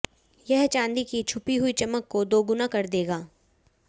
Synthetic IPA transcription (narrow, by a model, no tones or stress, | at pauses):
jɛɦt͡ʃãːnd̪ikit͡ʃʰʊpiɦʊit͡ʃɐməkːod̪oːɡʊnakɐɾd̪eːɡaː